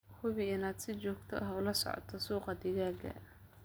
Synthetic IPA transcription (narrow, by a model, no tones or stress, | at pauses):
hʊβɪɪnaːd̪sɪt͡ʃɔːɡt̪ʰɔ̰ʔɐɦʊlɐsɔ̰ʕɔ̰t̪ʰɐsuːqɑd̪ɪɣaːɡɐ̰